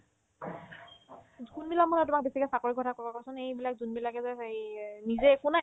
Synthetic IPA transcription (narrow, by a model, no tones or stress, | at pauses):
kunbilak̚mɔnɔtʊmak̚besikɔsakoɹikʰɔtʰakɔkakɔsʊnejbilak̚zunbilakɛzɛnizɛkʊna